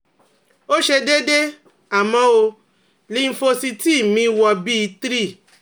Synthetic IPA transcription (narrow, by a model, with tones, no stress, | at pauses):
o˦ʃe˧de˦de˦ | a˨mɔ̃˦o˧ | li˨˦n̩˦˧fo˧si˧ti˦˨mĩ˧˦wɔ˧bi˦i˧tɾi˦˨